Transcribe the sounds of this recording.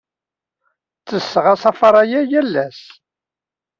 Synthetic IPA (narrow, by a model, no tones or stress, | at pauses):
t͡sːəsːəʁɑsɑfɑɾˤɑjæjælːæs